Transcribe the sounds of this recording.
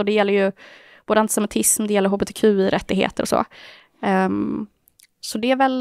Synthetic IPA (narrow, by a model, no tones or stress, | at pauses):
ɔd̪ɛjɛlːəɾjɵ | b̥oːd̪əant̪ɪsɛmɪt̪ʰɪsmd̪ɛjɛlːəɾɦoːbɛt̪ʰɛkʰʉ̟ːɪɾʔɛt̪ːɪɡhḛːt̪əɾɔso̰ː | sɔd̪ɛæɾvɛl